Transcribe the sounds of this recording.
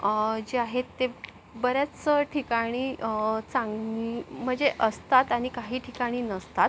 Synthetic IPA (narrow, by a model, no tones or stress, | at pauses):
d͡ʑiaɦet̪ːe | bəɾjat͡st͡səʈʰikaɽ̃iːt͡sãŋɡɡɡim̤əɳd͡zeʔəst̪at̪aɽ̃ikaɦiːʈʰikaɽ̃iːnəst̪at̪̚